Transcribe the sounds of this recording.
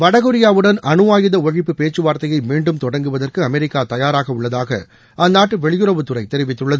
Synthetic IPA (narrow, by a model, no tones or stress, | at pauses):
ʋɐɽɐɣɯɾɪjaːʋɯɽɐnʔɐnɯʋaːjɪðɐɔɻɪpːɯpeːt͡ʃːɯʋaːɾt̪ɐjɐɪmiːɳɖɯmt̪ɔɽɐŋɡɯʋɐðɐrkɯɐmɛɾɪkːaːt̪ɐjaːɾaːɣɐʊɭːɐðaːɣɐ̰ | ʔɐnːaːʈːɯʋɛɭɪjɯrɐʋɯt̪ːɯrɐɪt̪ɛɾɪʋɪt̪ːɯɭːɐðɯ